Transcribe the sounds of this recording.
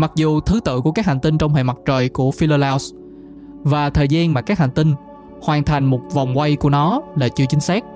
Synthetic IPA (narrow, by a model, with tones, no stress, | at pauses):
ma˨˩k̚zu˨˩t̪ʰɨ˨˦t̪ɨ̰˧˨ku˧˩əkaː˦˥k̚ha˨˩ŋ̟t̪i˧ŋt͡ɕɔ˧wŋ͡mhḛ˧˨jma˨˩t̚t͡ɕəː˨˩jku˧˩əfi˧ləː˧laː˧ws | vaː˨˩t̪ʰəː˨˩jzaː˧nmaː˨˩kaː˦˥k̚ha˨˩ŋ̟t̪i˧ŋ̟ | hwaː˨˩nt̪ʰa˨˩jŋ̟mo˨˩t̚va˨˩wŋ͡mkwa˧jku˧˩ənɔ˨˦la̰ː˧˩t͡ɕɨ˧t͡ɕï˨˦ŋ̟saː˦˥k̚